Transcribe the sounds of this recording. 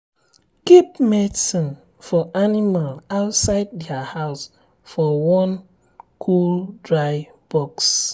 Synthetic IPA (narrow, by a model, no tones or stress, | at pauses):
kipmedsɔ̃n | fɔʔanimalaʊtsaɪd̚dɛahaʊs | fɔwɔ̃n | kʰuldɹaɪ | b̥ɔks